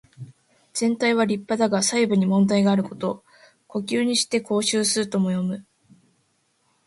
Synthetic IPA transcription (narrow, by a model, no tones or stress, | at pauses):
z̥ẽ̞nt̪aiβ̞aɾʲipːad̪aɡasaibɯ̟ɲ̟imõ̞nd̪aiɡaːɾɯ̟ko̞̥t̪o̞ | ko̞kʲɨːɲ̟iɕi̥t̪e̞kʰo̞ːɕɨːsɨt̪o̞mo̞jo̞mɯ̟